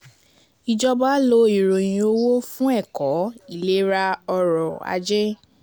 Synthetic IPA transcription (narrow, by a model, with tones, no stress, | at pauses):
i˨d͡ʒɔ˧ba˦lo˧˦i˨ɾo˨j̃ĩ˨o˧wo˦fũ˦ɛ˦˨kɔ˨˦i˦˨le˦ɾa˧ɔ˧ɾɔ˨a̰˧d͡ʒɛ˦